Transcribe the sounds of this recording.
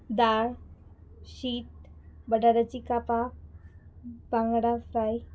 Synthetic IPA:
d̪aɾ | ɕit̪̚bəɖaɾat͡ɕikapa | bãŋɡɽafɾaj

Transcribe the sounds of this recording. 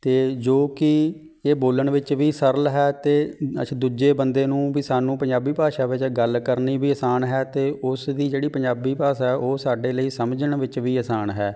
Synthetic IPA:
t̪eːd͡ʒoːkɪ | eːboːləɳʋɪt͡ʃʋiːsəɾəlɦɛːt̪eːə̰d̪uːd͡ʒeːbənd̪eːnũːbiːsaːnũːpəɲd͡ʒaːbiːpaːʃaːʋɪt͡ʃɡəlkəɾniːbiːəsaːnɦɛːt̪eːʔʊsd̪iːd͡ʒeːɽiːpəɲd͡ʒaːbiːpaːsɛːʔoːsaːɖeːləiːsəmd͡ʒəɳʋɪt͡ʃʋiːəsaːnɦɛː

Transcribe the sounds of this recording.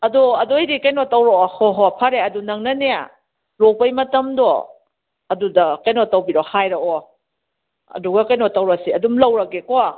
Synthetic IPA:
ɐduɐdojɾikɐjnotɐwɾoɔhɔɦɔpʰɐɾeɐdunɐŋnɐnea̰ | ɾopɐjmɐtɐmdɔ̰ | ɐdudɐkɐjnotɐwbiɾɔhajɾɐɔ | ɐ̰duɡɐkɐjnotɐwɾɐsiɐdumlɐwɾɐkekɔ

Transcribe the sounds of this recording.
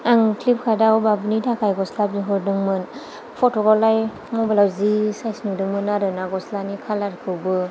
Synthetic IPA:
aŋkʰlip̚kʰadawbabɯnidʰakʰajɡɔslabiɦɔɾdɯŋmɯn | pʰɔtɔɡɔlaj | mɔbalawzisajsnudɯŋmɯnaɾɯnaɡɔslanikʰalaɾkʰɯwbɯ

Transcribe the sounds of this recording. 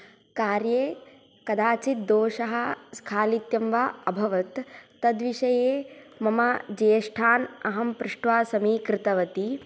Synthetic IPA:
kaːɾjeː | kɐd̪aːt͡ʃit̪̚d̪oːʃɐɦɐ̆skʰaːlit̪jɐmʋaɐbʱɐʋɐt̪ː | ɐd̪ʋiʃɐjeːmɐmad͡ʒejɐʂʈʰaːnɐɦɐmpɾɪʂʈʋaːsɐmiːkɾɪt̪ɐʋɐt̪i

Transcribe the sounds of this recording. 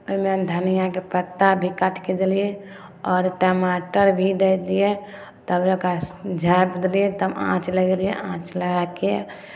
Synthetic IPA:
oimɛd̪ʱənijakepət̪ːabʱikaʈked̪elije | ɔːɾʈəmaʈəɾbʱid̪ed̪ije | t̪əbɾokad͡ʒʱabəd̪lijet̪əbã̰ːt͡ʃləɡɾijeãːt͡ʃləɡake

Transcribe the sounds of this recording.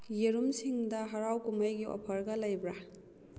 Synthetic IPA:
jeɾumsiŋdɐɦɐɾawkumajɡiʔɔ̰pʰɐɾɡɐlɐjbɾa

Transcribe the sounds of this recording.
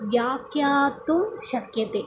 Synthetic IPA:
ʋjaːkjaːt̪uʃɐkjɐt̪e

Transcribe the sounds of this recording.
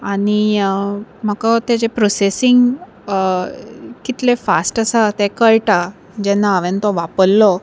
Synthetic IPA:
aɽ̃i | m̤əkat̪ed͡ʑepɾɔsesiŋɡ | kit̪lefasʈəsat̪ekəɭʈa | d͡ʑɛnːaəʋent̪ɔʋapəlːɔ

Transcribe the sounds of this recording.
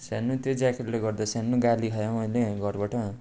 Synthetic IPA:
sanːut̪jod͡zakʰerleɡʌrd̪ʌsjanːuɡaliɦʌjmʌjleɡʌɾbʌʈʌ

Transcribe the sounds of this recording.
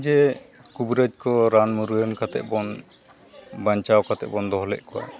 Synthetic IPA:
d͡ʒɛ | kubɾəd͡ʒkɔɾanmuɾuənkʰat̪ɛ̰ʔ̚bɔn | baɲt͡ʃawkʰat̪ɛ̰ʔbɔnd̪ʱɔɦɔlɛ̰ʔ̚kɔwa̰

